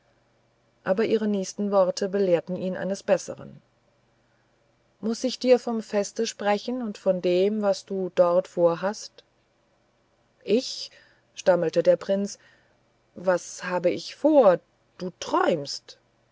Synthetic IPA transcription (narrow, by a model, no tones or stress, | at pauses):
ʔaːbɐʔiːʁ̞ənɛːçstn̩vɔʁɐtʰəbəleːɐtn̩iːnʔa̰ɪnəsb̥ɛsə̰ʁə̰n | mʊsɪçd̥iːɐfɔmfɛstəʃpʁ̥ɛçn̩ʊntfɔndeːmvasd̥uːdɔʁtfoːɐɦast | ʔɪç | ʃtaməltədeːɐpʁ̥ɪns | vashaːbəɪçfoːɐ | d̥uːtʁ̥ɔʏmst